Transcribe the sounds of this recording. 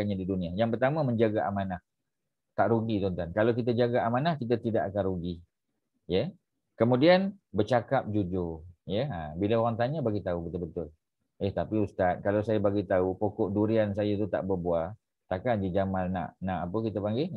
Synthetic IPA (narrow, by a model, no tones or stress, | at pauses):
aɲadidunĩajaŋpərt̪amaməɲd͡ʒaɡaʔamanah | t̪aʔɾuɡit̪ɔnt̪ankalawk̬it̪̬ad͡ʒaɡaʔamanahkit̪̬at̪idaʔakanruɡi | jə | kəmũdianbərt͡ʃakap̚d͡ʒud͡ʒʊrjəabiləoɣaŋt̪aɲabaɡit̪aubət̪ʊlbət̪ʊl | ɪht̪apiust̪at̪̚kalawsajabaɡit̪aupokɔʔduɾians̬ajat̪ut̪a̰ʔbərbua | t̪akandid͡ʒamanːa̰ʔnaʔapəkit̪apaŋɡɪ